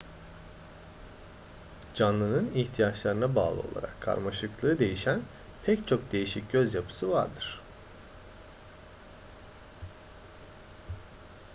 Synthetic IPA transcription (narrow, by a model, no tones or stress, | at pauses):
d͡ʒanlˠɯnɯniçt̪ʰijat͡ʃlˠaɾɯnabaːlˠɯ̰o̞̰lˠa̰ɾa̰kʰːa̰ɾmaʃɯklˠɯːd̪e̞jiʃæn | pʰɛct͡ʃʰo̞kd̪e̞jiʃic̚ɟø̞zjapʰɯ̥sɯva̰ɾd̪ɯɾ̥